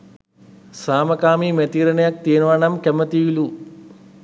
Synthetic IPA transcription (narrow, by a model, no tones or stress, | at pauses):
saːmɐkaːmimet̪iːɾɐnɐjɐk̚t̪iːnʋaːɳɐmkemːɐt̪iːjilu